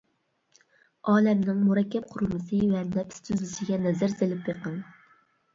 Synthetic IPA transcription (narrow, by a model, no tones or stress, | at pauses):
ɑːlɛmnɪŋmuɾɛkʲʰːɛp̚qʰʊɾmɨsɨwɛɾnɛpy̥st̪ʰyzlɪʃiɡʲɛnɛzɪɾzelɪpjeqəŋ